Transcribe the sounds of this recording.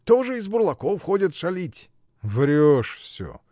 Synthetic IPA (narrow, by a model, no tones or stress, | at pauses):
t̪oʐɨɪzbʊɾlˠɐkofxodʲət̪ʂɐlʲitʲ | vɾʲoʂfsʲo̰